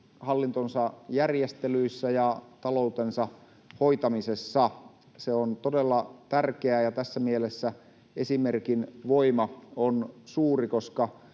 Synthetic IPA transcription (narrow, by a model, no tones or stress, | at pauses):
hɑlːint̪onsɑjærjest̪elyisːæjɑt̪ɑlout̪ensɑ | hoit̪ɑmisesːɑ | seont̪odelːɑt̪ærkeæjɑt̪æsːæmielesːæ | esimerkinʋoimɑonsuːrikoskɑ